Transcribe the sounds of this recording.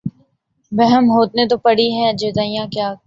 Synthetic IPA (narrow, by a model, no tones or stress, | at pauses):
bɛɦəmɦoːt̪̚net̪̬opɐɽiɦɛ̃ɐd͡ʒed̪aːijãkjaː